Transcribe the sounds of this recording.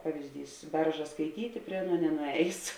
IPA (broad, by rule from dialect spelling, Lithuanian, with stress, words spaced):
ˈpɑːʋʲɪzʲdʲiːs ˈbʲɛrʒɐ skɐɪˈtʲiːtʲɪ ˈpʲrʲiɛ ˈɑːˌnuɔ nʲɛnʊˈɛːjeːs